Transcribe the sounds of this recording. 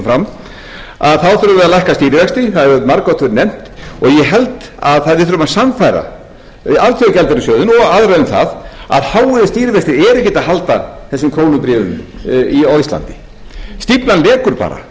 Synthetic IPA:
fɾam | aðθaðθʏɾʏvɛːðalajhkast̪iːɾɪvɛkst̪ɪθaðɛɾmaɾkɔwt̪ʰʏɾnɛm̥t̪ɔɣjɛɦɛlt̪ | aðθaðvɪðθʏɾʏmasamfajɾa̰ | alt̪ʰiacɛlt̪ɛɾɪsœːðʏnɔɣaðɾɛðmθa̰ða̰ðhaːwʏðɪst̪iːɾɪvɛkst̪ɪɛɾɛhcːɪt̪aɦalt̪aθɛsːɪmkʰɾoːwnʏpɾɛːvʏ̰miojst̪la̰nt̪ɪ̥ | st̪iplanlɛːkʏɾpa̰ːɾa̰

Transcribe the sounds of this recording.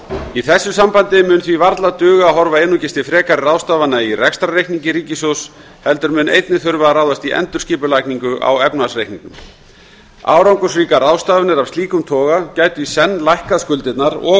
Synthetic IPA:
iθɛsːʏsampant̪ɪmʏːnθvivaɾt̪lat̪ʏːɣaaɦɔɾvaeːnucɪst̪ɪfɾɛːkaɾɪraːwst̪aːvanːairɛkst̪ɾarejkniŋcɪɾiːcɪsows | hɛlt̪ʏɾmʏːnḛjt̪nɪθʏɾvaaɾaːwðast̪iʔɛ̰nt̪ʏ̥ɾ̥sciːpʏlajkniŋkʏʔa̰wɛpnasrejhkniŋknʏm | a̰ːwɾawŋkʏsriːkaraːwst̪aːvʏnɪɾavst̪liːkʏmt̪ʰɔːɣacaːjt̪ʏisɛnːlajhkaðskʏlt̪ɪt̪naɾɔ

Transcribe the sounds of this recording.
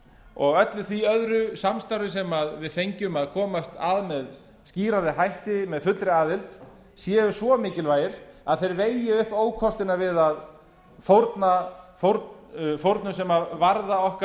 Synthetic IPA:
ɔɣœt̪lʏθviœðɾʏsamst̪awɾɪsɛmaðvɪðθejɲcʏmaðkʰɔːmast̪aðmɛð | sciːɾaɾɪɦajht̪ɪmɛðfʏt̪lɾɪaːðɪlt̪ | sjɛːɣʏsvɔmɪːcɪlvaːjɪɾ̥aðθejɾveːjɪʏhpoːwkʰɔst̪ɪnaɾvɪðað | fowɾt̪nafoɾtfowɾt̪nʏsɛmavaɾðaɔhka

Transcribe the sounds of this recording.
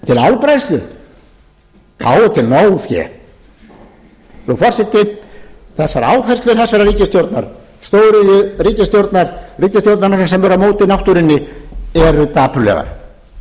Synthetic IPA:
t̪ʰɪlalpɾajst̪lʏ | kʰa̰ːwðʏt̪ʰɪlnoːwfjɛ̰ | ɾufɔrsɛt̪ːɪθɛsːaɾaːwfɛr̥st̪lʏɾ̥θasvɛːɾaɾiːcɪst̪jowɾt̪naɾ̥ | st̪oːwɾɪjʏriːcɪst̪jowɾt̪naɾ̥riːcɪst̪jowɾt̪nanaɾsɛmvɛɾamoːwt̪ɪnawht̪uɾɪnːɪɛɾʏt̪aːpʏlɛ̰ɣa̰ɾ̥

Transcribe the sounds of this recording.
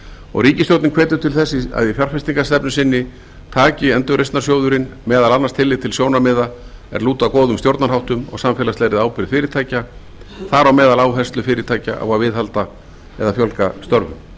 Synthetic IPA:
ɔ̰ɣɾiːcɪst̪jowt̪nɪnkʰvɛːt̪ʏt̪ʰɪlθɛsːɪa̰ðifjar̥fɪst̪iŋkast̪ɛpnʏsɪnːɪ | t̪ʰaːcɪɛnt̪ʏɣrejsnḁrsjoːwðʏɾɪnmɛːðalanːast̪ʰɪlːɪt̪ʰɪlsjoːwnamɪːðaɛ̰ɾluːt̪akɔːðʏmst̪jowɾt̪naɾhawht̪ʏmɔ̰ɣsamfɛːlasɛjɾɪðaːwpɪɾɪ̥fɪːɾɪt̪ʰaːjca | θaɾawmɛːðalaːwhɛnst̪lʏfɪːɾɪt̪ʰaːjca̰ʔa̰vavɪðhalt̪a | ɛ̰ðafjœlkast̪œɾvʏ̰m

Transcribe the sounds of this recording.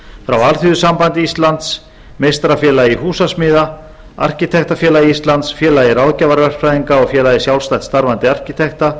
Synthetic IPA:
fɾawalθʏðʏsampant̪ɪist̪lant̪s | mejst̪ɾafjɛːlaiɦuːsasmɪːða | a̰r̥cit̪ʰɛht̪afjɛːlaiist̪lant̪sfjɛːlairawðcaːvaɾvɛr̥pfɾajðiŋkaɔɣfjɛːlaisjawlst̪ajt̪st̪aɾvant̪ɪar̥cit̪ʰɛxt̪a

